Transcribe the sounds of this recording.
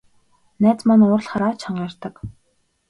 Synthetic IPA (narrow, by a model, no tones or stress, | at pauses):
næːt͡smanʊːrɮχaɾaːt͡ɕʰaɴɢar̥ʲt̪ə̆k